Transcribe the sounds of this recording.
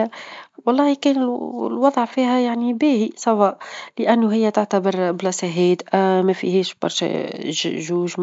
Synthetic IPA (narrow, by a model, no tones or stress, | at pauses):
wɑlˤːɑːhikɛːnɪllwɑd̪ˤʕfiːhæjaʕnibæːhisˤɑwɑːʔlɪʔænːʊɦɪjːæt̪aʕt̪abɪɾblɑsæɦiːd̪ʔæmæfḭhɛːʃbɑ̰ɾˤʃæ̰ʒuːʒm